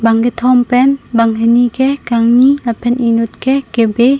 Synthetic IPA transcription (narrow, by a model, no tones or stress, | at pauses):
baŋɡet̪ʰɔmpɛnbaŋɦenikɛhkaŋnilapʰɛnʔinut̪̚kɛhkebe